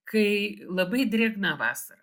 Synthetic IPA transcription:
kɐɪlˠɐbɐɪd̪ʲɾʲeːɡnɑːʋɑ̰ːsɐɾɐ

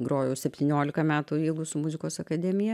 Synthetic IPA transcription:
ɡroːjuːsʲɛpʲt̪ʲiːnʲoːlʲɪkɐmʲæːt̪uiːɡʊsʊmʊzʲɪkoːsɐkɐd̪ʲɛmʲɪjɛ

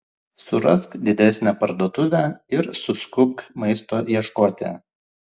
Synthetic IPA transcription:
sʊɾɐskd̪ʲɪd̪ʲæsʲnʲæːpɐɾd̪oːt̪ʊʋʲæɪɾsʊskʊkmɐɪst̪oːjiɛʃkoːt̪ʲḛ

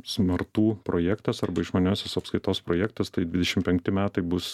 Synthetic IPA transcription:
sʲmɐrt̪uːpɾoːjæːkt̪ɐsɐrbɐɪʃmoːnʲoːsʲosɐpskɐɪt̪oːspɾoːjæk̚t̪ɐst̪ɐɪd̪ʲʋʲɪd̪ʲɛʃʲɪmpʲɛŋkt̪ʲɪmʲæːt̪ɐɪbʊs

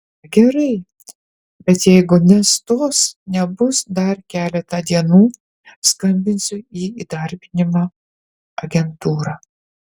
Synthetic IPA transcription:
ɡʲɛɾɐɪ | bʲɛt̪jɛɪɡʊnʲɛst̪oːsnʲɛbʊsd̪ɐɾkʲæːlʲɛt̪ɐd̪ʲiɛnuː | skɐmʲbʲɪnʲsʲʊiːiːd̪ɐɾʲbʲɪnʲɪmɑː | ɐɡʲɛnt̪uːɾɑː

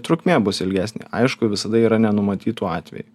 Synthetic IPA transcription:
t̪ɾʊkʲmʲeːbʊsɪlʲɡʲæːsʲnʲḛːɐ̰ɪʃkʊʋʲɪsɐd̪ɐiːɾɐnʲɛnʊmɐt̪ʲiːt̪uːɑːt̪ʲʋʲɛ̰ju

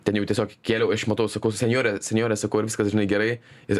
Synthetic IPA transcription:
t̪ʲɛnjɛʊt̪ʲiɛsʲoːkkʲeːlʲɛʊɐʃmɐt̪ɐʊsɐkɐʊsʲɛnʲjoːɾʲɛsʲɛnʲjoːɾʲɛsɐkɐʊɪɾʋʲɪ̥skɐsʒʲɪnɐɪɡʲɛɾɐɪɪ

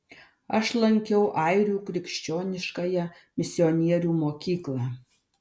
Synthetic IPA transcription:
ɐʃlˠɐŋʲkʲɛʊʔɐˑɪɾʲuːkɾʲɪkʃʲt͡ʃʲoːnʲɪʃkɐjɛ | mʲɪsʲɪoɔnʲiɛɾʲuːmoːkʲiːklˠɑː

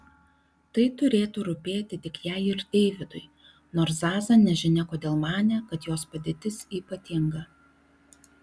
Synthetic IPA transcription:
t̪ɐɪt̪ʊɾʲeːt̪uːɾʊpʲeːt̪ʲɪt̪ʲɪkjæɪɪɾd̪ʲɛɪʋʲɪd̪ʊɪ | noːɾszɑːzɐnʲɛʒʲɪnʲɛkoːd̪ʲeːlˠmɑːnʲɛkɐt̪joːspɐd̪ʲeːt̪ʲɪsiːpɐt̪ʲɪŋɡɐ

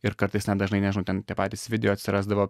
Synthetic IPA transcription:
ɪɾkɐɾt̪ɐɪsnʲɛd̪ɐʒnɐɪnʲɛʒɪnʊt̪ʲɛnt̪ʲiɛpɑːt̪ʲiːsʲʋʲɪd̪ʲɛjoːɐt̪sʲɪɾɑːzd̪ɐʋoː

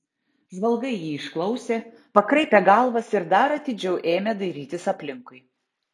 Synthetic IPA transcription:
ʒʋɐlˠɡɐɪjiːɪʃklˠɐʊsʲeː | pɐkɾɐɪpʲɛɡɑlˠʋɐsɪɾd̪ɐɾɐt̪ʲɪd͡ʒʲɛʊʔeːmʲɛd̪ɐɪɾʲiːt̪ʲɪsɐpʲlʲɪŋkʊɪ

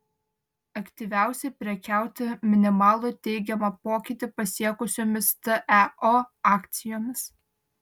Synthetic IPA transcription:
ɐkt̪ʲiʋʲæˑʊsʲɛɪpʲɾʲɛkʲæˑʊt̪ʲɪmʲɪnʲɪmɑːlˠʊt̪ʲɛɪɡʲɛmɐpoːkʲɪt̪ʲɪpɐsʲiɛkʊsʲoːmʲɪst̪əʔæoɑːkʲt̪sʲɪjoːmʲɪs

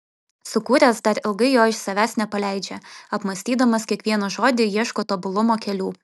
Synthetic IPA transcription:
sʊkuːɾʲæsd̪ɐɾɪlˠɡɐɪjoːɪʃsɐʋʲæːsnʲɛpɐlʲæɪd͡ʒʲɛɐpmɐsʲt̪ʲiːd̪ɐmɐskʲiɛkʋʲiɛnɐʒoːd̪ʲɪjiɛʃkoːt̪obʊlˠʊmoːkʲɛlʲuː

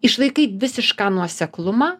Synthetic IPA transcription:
ɪʃlˠɐɪkɐɪʋʲɪsʲɪʃkɑːnuɔsʲɛklˠʊmɑː

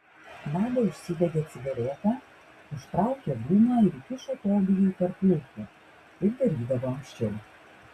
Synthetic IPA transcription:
nɑːd̪ɐʊʃʲsʲɪʋʲɛd̪ʲeːɐt̪sʲɪʋʲɛɾʲeːt̪ɑː | ʊʃt̪ɾɑˑʊkʲeːb̪uːnɑɪɾkʲɪʃoːt̪oːb̪ʲɪjoit̪ɐɾpʲlʲɪːk̪ʲɪ | ɪɾd̪ɐɾʲiːd̪ɐʋoːɐŋkʲʃʲt͡ʃʲɛɪ

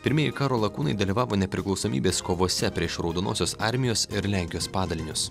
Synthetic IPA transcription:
pʲɪɾʲmʲɪjɛɪkɑːɾoːlˠɐkuːnɐɪd̪ɐlʲiːʋɑːʋoːnʲɛpʲɾʲɪklˠɒʊsoːmʲḭːbʲeːskoːʋoːsʲɛpʲɾʲiɛʃɾɐʊd̪oːno̰ːsʲoːsɑˑɾʲmʲɪjoːsɪɾlʲæˑŋʲkʲɪjoːspɑːd̪ɐlʲɪnʲʊs

